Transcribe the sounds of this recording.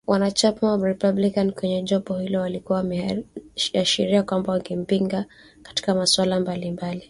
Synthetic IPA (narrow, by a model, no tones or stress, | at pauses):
wʔanat͡ʃamawɾipablikankwɛɲɛʄɔpɔhilɔwalikuwawam | aʃiɾiakwambawaŋɡim̩piŋɡa | kḁti̥kamaswalambalimbali